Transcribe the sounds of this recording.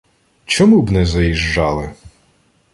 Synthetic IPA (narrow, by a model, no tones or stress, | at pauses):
t͡ʃɔmubnɛzɐjiʒːɑlˠɪ